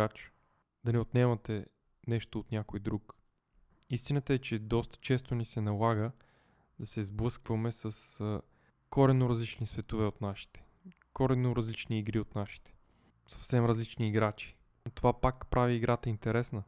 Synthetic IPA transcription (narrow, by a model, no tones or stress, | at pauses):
at͡ʃ | d̪̥ɐnɛot̪nɛmət̪ɛ | nɛʃt̪oːt̪nʲjakojd̪ɾuk | ist̪inət̪əɛt͡ʃɛd̪ɔst̪ə̥t͡ʃɛst̪onisɛnɐlˠaɡə | d̪̥ɐsɛzblˠɤskvəmɛsəsə | kɔɾɛnːoɾɐzlit͡ʃnisvɛt̪ovɛot̪naʃi̥t̪ɛ̥ | kɔɾɛnːoɾɐzlit͡ʃniːɡɾiot̪naʃi̥t̪ɛ̥ | sɐ̥fsɛmɾɐzlit͡ʃniːɡɾat͡ʃi̥ | t̪ovapakpɾʔaviːɡɾʔat̪əint̪ɛɾɛsnə